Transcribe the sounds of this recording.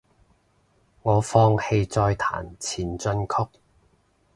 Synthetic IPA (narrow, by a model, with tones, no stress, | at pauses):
ŋɔː˨˧fɔː˧ŋhe˧jt͡sɔː˧jt̪ʰa̰ː˨˩nt͡sʰiː˨˩nt͡sɵ˧nkʰʊ˥k̚